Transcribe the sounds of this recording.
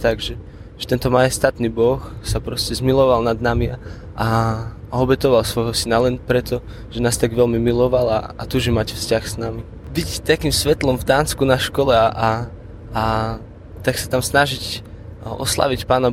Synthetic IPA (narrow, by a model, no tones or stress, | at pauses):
t̪aɡʒɛ | ʒɛ̥t̪ɛnt̪ɔmajɛst̪at̪nibɔxsapɾɔscɛzmilɔʋalnad̪namia | ʔa | ɔbɛt̪ɔʋalsʋɔjɦɔsinalɛnpɾɛt̪ɔ | ʒ̥ɛnaːst̪aɡʋɛlmimilɔʋala̰ːt̪uʒɛmacfscaxsnami | bict̪akimsʋɛt̪lɔmvd̪aːnskunaʃkɔlɛaʔaː | t̪aksat̪amsnaʒic | ɔ̰sla̰ʋicpaːna